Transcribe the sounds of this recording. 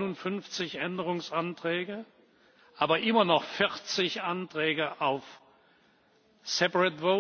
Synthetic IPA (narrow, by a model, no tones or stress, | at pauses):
nʊntfʏnft͡sɪçʔɛndəʁʊŋsantʁ̥ɛːɡə | ʔaːbɐʔɪmɐnɔχfɪʁt͡sɪçʔantʁ̥ɛːɡəʔaʊf | sɛpaʁɛtvo